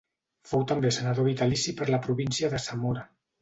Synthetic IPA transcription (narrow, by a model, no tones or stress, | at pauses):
fowt̪əmbesənaðoβit̪alisipəɾləpɾuβinsiəðəsamoɾa